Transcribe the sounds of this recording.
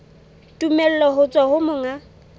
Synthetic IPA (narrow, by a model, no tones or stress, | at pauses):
tʼumɛl̩lɔɦʊt͡sʼwahʊmʊŋa